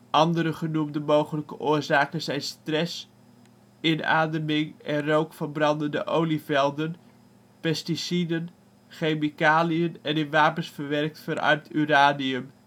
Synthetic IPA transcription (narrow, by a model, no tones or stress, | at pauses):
ʔɑndəɾəχənumdəmowχələkəʔʊːɹzaːkənzɛjnstrɛs | ɪna̰ːdəmɪŋʔɛnrowkfəɹbrɑndəndəʔowlivɛlˠdən | pɛstisidən | χejmikaːliənɛnɪnʋaːpənsfəɹʋɛrk̚tfəɾɑ̰ɹmtʰyraːniəm